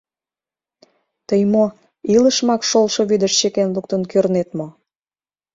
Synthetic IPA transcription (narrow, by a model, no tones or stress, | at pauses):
t̪əjmo | iləʃmɑkʃolʃoβyd̪əʃt͡ɕekenluk̚t̪ənkørnet̪mo